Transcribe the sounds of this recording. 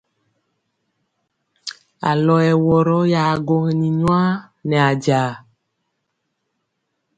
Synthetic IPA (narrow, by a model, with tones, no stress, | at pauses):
a̰˨lɔ˨ɛ˨wɔ˨ɾɔ˦ja˨ɡɔ˦ŋe˨nĩ˨ɲɔ̃˦a˦ | nɛ̃˨a˨d͡ʒa˨